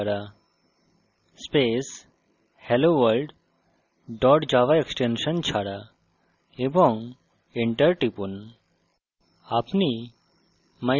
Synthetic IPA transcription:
ɽa | spes | heloʋəlɖ | ɖɔʈd͡ʒaʋaeksʈenʃənt͡ʃʰaɽa | ebɔ̃ŋ | iɳʈəɾʈipun | apni | ma

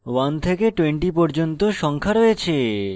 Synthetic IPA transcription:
want̪ʰekeʈweɳʈipɔɾd͡ʑont̪oʃɔŋkʰaɾoet͡ɕʰe

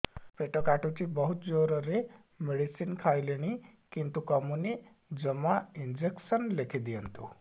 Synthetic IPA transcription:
peʈəkaʈut͡ɕibəɦut̪̚d͡zoɾəɾe | meɽisiːnkʰajleñikint̪ukəmuni | d͡ʑəmaind͡ʑeksənlekʰid̪ijənt̪u

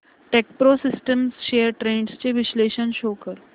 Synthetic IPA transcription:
ʈek̚pɾosɪsʈəmsʃeːəɾʈɾẽːɳɖst͡ɕeʋɪʃleːʃənʃoːkəɾ

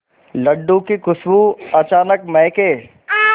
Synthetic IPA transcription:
lɐɖũkikʊsbuɐt͡ɕaːnəkmɐ̃ɦkeː

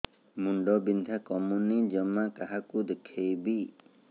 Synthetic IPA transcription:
muɳɖɔbind̪ʱakɔmunid͡ʒɔmakaɦakud̪ekʰːejbi

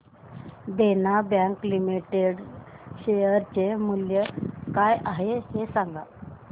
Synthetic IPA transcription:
d̪enabjãŋklimiʈeɽɕejəɾt͡ɕemuljəkajaɦehesaŋɡa

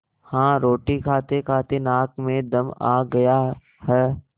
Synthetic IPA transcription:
hãːɾoːʈikʰaːt̪ekʰaːt̪enaːkmẽd̪ɐma̰ːɡɐja | hɛː

